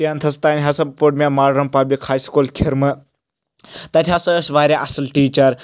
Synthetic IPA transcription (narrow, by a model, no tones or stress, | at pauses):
ijaːnt̪ʰɐst̪aːnʲɦɐsɐbpuʈmʲamaːɾɾɐmpɐblikhaːjskuːlkʰiɾmɨ | t̪ɐt̪ʰʲasɐsʋaːɾʲaʔɐsɐlʈiːt͡ʃɐɾ